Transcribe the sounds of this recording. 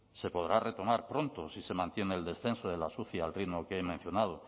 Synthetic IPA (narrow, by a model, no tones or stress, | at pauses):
se̞po̞ðɾare̞t̪o̞maɾpɾo̞nt̪osise̞mãnt̪jeneːld̪e̞sθe̞nsoð̞e̞lasuθjialrimokeemẽn̟θjo̞nað̞o